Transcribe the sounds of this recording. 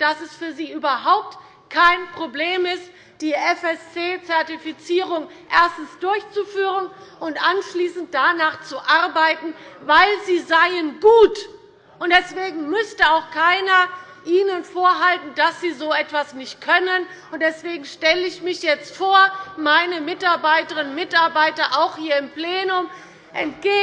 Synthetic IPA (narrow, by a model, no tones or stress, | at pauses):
d̥asɛsfyːɐziːʔyːbɐɦaʊp̚t | kʰaɪnpʁ̥obleːmɪst | d̥iːʔɛfɛst͡seːt͡sɛɐtifit͡siːʁʊŋʔeːɐstn̩sd̥ʊɐçt͡sufyːʁənʔʊntʔanʃliːsn̩t̚d̥anaːχt͡suʔaʁbaɪtn̩vaɪlziːzaɪənɡuːt | ʔʊnt̚d̥ɛsv̥eːɡŋ̩mʏstəaʊxkʰaɪnɐ | ʔiːnənfoːɐɦaltn̩dasz̥iːzoːɛtv̥asnɪçt̚kʰœnən | ʊntd̥ɛsv̥eːɡŋ̩ʃtɛləɪçmɪçjɛt͡stfoːɐmaɪnəmɪtaɐbaɪtəʁɪnmɪtaɐbaɪtɐʔaʊxhiːɐɪmpleːnʊm | ʔɛ̰nt̚ɡ̥eː